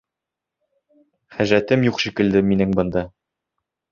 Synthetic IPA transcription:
χæʒɾæt̪ɘmjuqʃikɘ̆ld̪ɘminɘŋbɤ̆nd̪ɑ

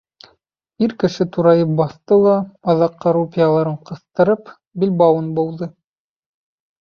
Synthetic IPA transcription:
iɾkɘ̆ʃɘt̪uɾɑjɤp̚bɑθt̪ɤlˠɑːðɑqːɑɾupʲɪjalˠɑɾɤɴqɤ̆θt̪ɤ̆ɾɤp | bilbɑwɤnbɤ̆wðɤ

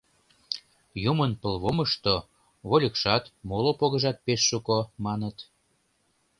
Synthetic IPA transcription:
jumənpəlβoməʃt̪o | βolʲəkʃɑt̪molopoɣəʒɑt̪̚peʃːukomɑnət̪

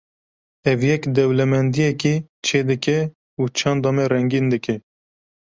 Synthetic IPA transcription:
ɛvjɛkd̪ɛwlɛmɛnd̪ijɛki | t͡ʃʰeːd̪ɨkɛ | ut͡ʃʰɑnd̪ɑːmɛrɛŋɡiːnd̪ɨkɛ

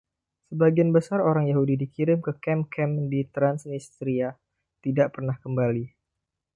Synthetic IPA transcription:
səbaɡianbəsaroɾaŋjaɦudidikiɾɪmkəkɛmkʰɛmdit̪ɾansnist̪ɾia | t̪idaʔpərnahkəmbali

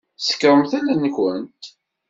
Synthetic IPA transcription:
sə̥kːɾˤəmθælænçənt̪

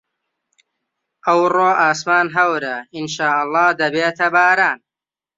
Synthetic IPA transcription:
ʔɐwroːʔaːsmaːnɦɐwɾɐinʃaːʔɐlˠˤːɑːd̪ɐbeːt̪ʰɐbaːɾaːn

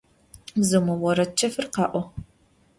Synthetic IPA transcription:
mzɐmɐwɔɾɐt͡ʃʰːɐfɨrqɑːʔʷɔ

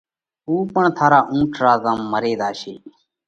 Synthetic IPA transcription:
uːpəɳt̪ʰaːɾaːʔũːʈʰɾaːzaːmːəɾeːd̪aːʃeː

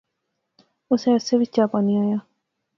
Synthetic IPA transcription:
ʊseʊseʋɪt͡ʃt͡ʃaːpaniaːjaː

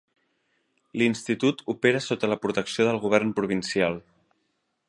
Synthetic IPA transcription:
linst̪it̪ut̪upeɾəsot̪ələpɾut̪əksioðəlɣuβ̞ɛrnpɾuβ̞insialˠ

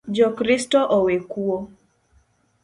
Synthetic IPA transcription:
d͡ʒɔkɾistɔʔowekuo

